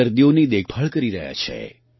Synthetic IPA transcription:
əɾd̪ijonid̪ek̚ʰpʰəɭkəɾiɾəɦja̰t͡ʃʰḛ

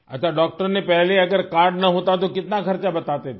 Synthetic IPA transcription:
ə̰t̪ʰʋaɖɔk̚ʈəɾnepɛɦleəɡəɾkaɾɖnəɦõt̪at̪̬okɪt̪nakʰəɾt͡ʃabət̪at̪et̪

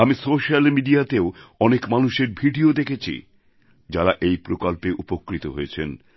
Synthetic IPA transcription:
amisoʃalmiɖiat̪eoɔnekmanuʃeɾbʱiɖiod̪ekʰet͡ɕʰḭ | d͡ʑaɾaʔejpɾokolpeʔupokːɾit̪oɦojet͡ɕʰen

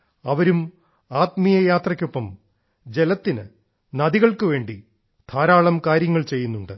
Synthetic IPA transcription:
ɐʋɐɾum | aːt̪mijɐjaːt̪rɐkʲːopːɐm | d͡ʑe̞lɐt̪ːinɨ̰ | nɐðiɣɐɭkɨʋe̞ːɳɖi | t̪ʰaːɾaːɭɐmkaːɾjɐŋːɐɭt͡ɕe̞jːunːuɳɖɨ

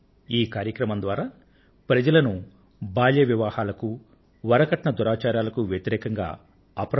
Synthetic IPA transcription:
iːkaːɾjɐkɾɐmɐnd̪ʋaːɾaː | pɾɐd͡ʒɐlɐnu | baːljɐʋjɐʋaːhaːlɐku | ʋɐɾɐkɐʈɳɐd̪uɾaːt͡ʃaːɾjaːlɐkuʋjɐt̪iɾɛːkɐŋɡa̰ː | ɐpɾ

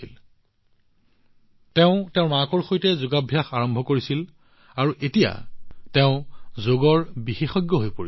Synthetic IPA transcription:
il | tɛʊ̃tɛʊ̃mãkɔɹxojtɛzuɡabʱjaxaɹɔmbʱɔkoɹisil | aɹuʔetija̰tɛʊ̃zoɡɔɹbixexɔjɡjɔɦojpoɹi

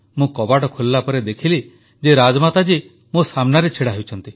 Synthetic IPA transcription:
mũkɔbaʈɔkʰulːapɔɾed̪ekʰili | d͡ʒeɾad͡ʒɔmat̪ad͡ʒi | mõsamnaɾet͡ʃʰiɽaɦewt͡ʃʰɔnt̪i

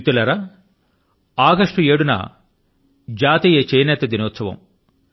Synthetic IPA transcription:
t̪ulɐɾɐ | aːɡɐʂʈueːɽunɐ̰ | d͡ʒaːt̪ijet͡ʃejnɛːt̪ɐd̪inoːt̪sɐʋɐ̰m

